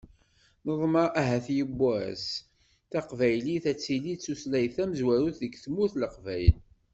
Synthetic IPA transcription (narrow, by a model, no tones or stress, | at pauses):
nəðˤmɑʔæɦæθjəbːæs | θæqvæjliθæt͡sːilit͡sːuslæjθæməzwæɾuθðəɡθmːuθləqvæjəl